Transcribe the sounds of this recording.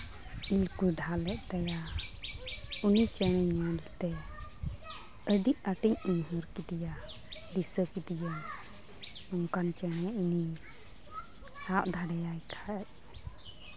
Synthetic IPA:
ilkuɖʱalɛʔ̚t̪aja | unit͡ʃɛñɛɲɲalt̪ɛ | əɖiʔ̚aʈiɲuɲɦuɾkidija | ɖisəkidija | ɔŋkant͡ʃɛñɛini | saʔ̚d̪ʱaɽɛjajkʰac̚

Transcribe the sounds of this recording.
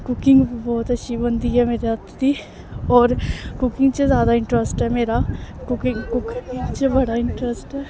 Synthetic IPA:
kʊkɪ̃ŋɡbɔːt̪ɐʃʰibɐ̃nd̪iɦɛmeːɾeɦɐt̪ʰːd̪i | ɔːɾkʊkɪ̃ŋɡt͡ʃezjaːd̪aɪ̃ɳʈɾəsʈɦɛmeːɾakʊkɪŋɡkʊkŋt͡ʃebɐɽaɪ̃ɳʈɾəsʈɦɛː

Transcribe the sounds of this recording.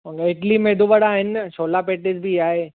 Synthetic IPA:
mə̃ŋɡeɪʈlimeːd̪uʋəɽaːɦɪnsʰoːlapeːʈɪd͡ʑbʱiaːɦe

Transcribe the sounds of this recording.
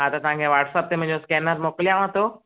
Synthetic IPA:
ɦãt̪ɐt̪ɐʋ̤ãŋkʰeʋaːʈsəp̚t̪emə̃ɦd͡ʑoskɛːnəɾmoːklijãʋãt̪ʰo

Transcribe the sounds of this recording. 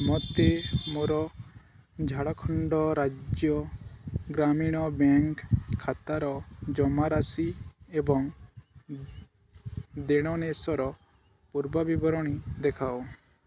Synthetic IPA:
mɔt̪emoɾɔ | d͡ʒʱaɽɔkʰɔɳɖɔɾad͡ʒjɔ | ɡɾamiɽ̃ɔbɛŋkʰːat̪aɾɔd͡ʒɔmaɾasiebɔŋ | d̪eɽ̃ɔnesɔɾɔ | puɾbabibɔɾɔɽ̃id̪ɛkʰaw

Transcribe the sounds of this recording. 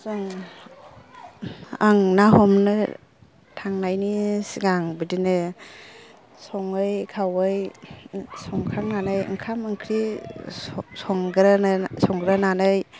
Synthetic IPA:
sɔŋ | aŋnaɦɔmnɯ | tʰaŋnajnisiɡaŋbidinɯ | sɔŋɯjkʰawɯj | sɔŋkʰaŋnanɯjɯ̰ŋkʰamɯŋkʰɾi | sɔŋɡɾansɔŋɡɾananɯj

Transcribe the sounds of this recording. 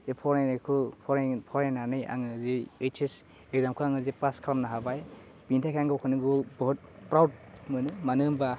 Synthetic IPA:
epʰɔɾanakʰɯpʰɔɾepʰɔɾenanɯja̰ŋɯzeet͡ʃʰes | eɡzamkʰɯaŋɯzepaskʰɾamnaɦabaj | b̥intʰakʰaŋɡɯkʰɯnɯɡɯbɔɦut̚pɾawd̚mɯnɯmanɯmba

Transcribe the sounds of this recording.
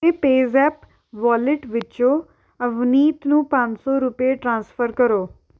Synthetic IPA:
eːpeːzɛːp | ʋaːlɪʈʋɪt͡ʃõː | əʋniːt̪nũːpə̃ɲd͡ʒsɔːɾʊpeʈɾãːnspʰəɾkəɾoː

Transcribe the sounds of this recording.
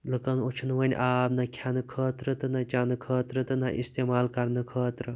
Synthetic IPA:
lɨkɐnot͡ʃʰunʋɐn̰ʲʔaːbnɐkʰʲanɨkʰəːt̪ɾɐt̪ɨnɐt͡ʃanɨkʰəːt̪ɾɐt̪ɨnɐʔḭst̪eːmaːlkɐɾnɨkʰəːt̪ɾɐ

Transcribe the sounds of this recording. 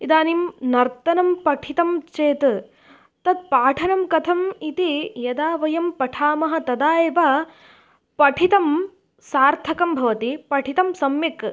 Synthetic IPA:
id̪aːnimnɐɾt̪ɐnɐmpɐʈʰit̪ɐmt͡ʃeːt̪ | t̪ɐd̪̚paːʈʰɐnɐmkɐt̪ʰɐmit̪ijɐd̪aːʋɐjɐmpɐʈʰaːmɐɦɐ̆t̪ɐd̪aːjeʋɐ | pɐʈʰit̪ɐm | saːɾt̪ʰɐkɐmbʱɐʋɐt̪ipɐʈʰit̪ɐmsɐmjɐk

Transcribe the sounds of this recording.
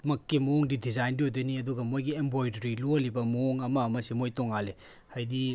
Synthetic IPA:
mɐkːimuoŋdidizajnbiodɐniɐduɡɐmojɡiembojdɐɾiluɐlibɐmooŋɐmɐmɐsimojtoŋalehajdi

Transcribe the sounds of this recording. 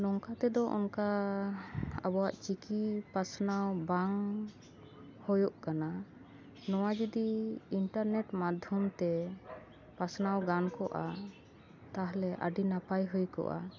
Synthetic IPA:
nɔŋkat̪ɛd̪ɔʔɔ̰nka | abɔwaʔt͡ʃikipasnawbaŋ | hɔjɔʔkana | nɔwad͡ʒud̪iiɳʈaɾnɛʈmad̪ʱjunt̪ɛ | pasnawɡankɔʔa | t̪aɦlɛʔə̰ɖinapajɦujkɔ̰ʔa̰

